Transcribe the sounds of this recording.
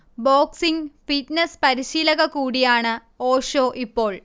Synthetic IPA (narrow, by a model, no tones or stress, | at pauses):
boːksiŋfiʈnɐspɐɾiɕiːlɐɣɐkuːɽijaːɳɨ | oːʂo̞ːʔipːo̞ːɭ